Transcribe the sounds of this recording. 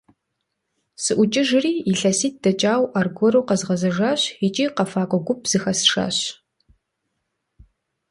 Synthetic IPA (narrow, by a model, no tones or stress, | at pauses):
sɨʔʷʊt͡ʃʼɪʒɨriːiɬɐsiːt̚d̥ɐt͡ʃʼaːwʔɐrɡʷɔɾowqɐzʁɐzɐʒaːɕit͡ʃʼiːqɐfaːkʷʼɔɡʷʊp̚ʰz̥ɨxɐsʂɐ̰ɕ